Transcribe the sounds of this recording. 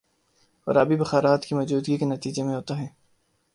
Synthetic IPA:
ɔ̰ːɾɐbibɐxaːɾaːt̪kimɔːd͡ʒuːd̪ɡikenɐt̪iːd͡ʒemẽɦoːt̪aɦɛː

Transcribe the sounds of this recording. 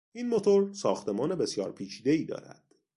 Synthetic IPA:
iːnmo̞t̪ʰoɾsɒːxt̪ʰe̞mɒːne̞be̞sjɒ̰ːɾpʰiːt͡ʃʰiːd̪e̞iːd̪ɒ̰ːɾæ̰d̪̥

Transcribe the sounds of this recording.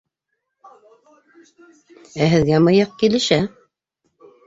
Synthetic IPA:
æɦɘ̆ðɡæmɤjɑq̚kilɘ̆ʃæ

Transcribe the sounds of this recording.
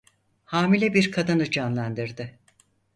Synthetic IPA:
haːmilʲɛbiɾkʰad̪anɯd͡ʒanlˠand̪ɯɾd̪ɯ

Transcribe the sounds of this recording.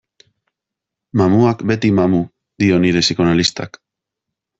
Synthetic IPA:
mamuakbe̞t̪imamu | d̪io̞niðe̞siko̞nalist̪a̰k

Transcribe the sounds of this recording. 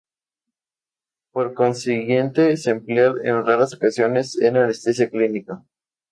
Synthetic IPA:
poɾko̞nsiɣje̞nt̪esempljaɾḛnraɾasokasjo̞ne̞senelest̪esjekliniko

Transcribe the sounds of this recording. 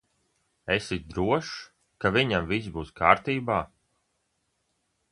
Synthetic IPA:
esit̪d̪ɾuɔʃ | kaviɲamvisbuːskaːɾt̪iːbaː

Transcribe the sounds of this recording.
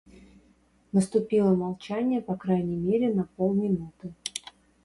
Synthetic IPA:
nəst̪ʊpʲilˠəmɐlˠt͡ɕænʲɪjəpɐkɾajnʲɪjmʲeɾʲɪnɐpolˠmʲɪnut̪ɨ

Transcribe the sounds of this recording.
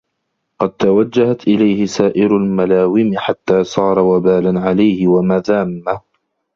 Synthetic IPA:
qɑd̪̚t̪awad͡ʒːahat̪ʔɪlajhɪsaːʔɪɾʊlmalaːwɪmɪħat̪ːaːsˤɑːɾˤɑwabaːlanʕalajhɪwamaðaːmːa

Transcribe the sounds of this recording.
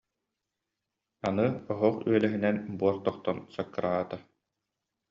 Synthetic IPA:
anɯɔɦɔχy̰œlɛɦinɛnbuɔɾt̪ɔχt̪ɔnsakːɾʔaːt̪a

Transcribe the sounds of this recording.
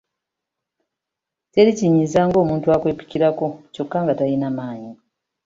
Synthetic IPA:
te̞liciɲizaːŋɡo̞ːmuːntuakwe̞ːpi̥ciɾako̞co̞kːaŋɡatajinamaːɲi

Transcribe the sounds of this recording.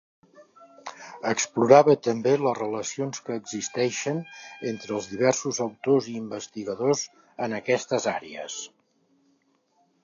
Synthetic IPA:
əkspluɾaβət̪əmbelərələsionskəːɡzist̪ɛʃənent̪ɾəːlˠzðiβ̞ɛɾsuzəwt̪oziːmbəst̪iɣəðoz | ənəkɛst̪əzaɾeə̰s

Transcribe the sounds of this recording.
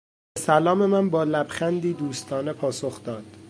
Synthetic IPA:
sælɒːme̞mænbɒːlæbxænd̪iːd̪uːst̪ʰɒːnepʰɒːsoxd̪ɒːd̪̥

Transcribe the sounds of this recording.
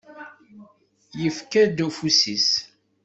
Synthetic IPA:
jəfkæd̪ufusis

